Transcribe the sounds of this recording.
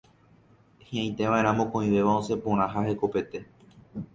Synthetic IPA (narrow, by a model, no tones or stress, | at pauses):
hĩãj̃t̪e̞ʋãʔẽ̞ɾãmõkõĩʋe̞ʋaose̞põɾ̃ãɦahe̞ko̞pe̞t̪e̞